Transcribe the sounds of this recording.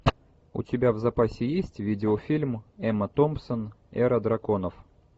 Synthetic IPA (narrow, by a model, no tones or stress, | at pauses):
ʊ̰tʲɪbʲavzɐpasʲɪjesʲtʲvʲidʲɪofʲilʲmɛmət̪ompsən | ɛɾəd̪ɾɐko̞nəf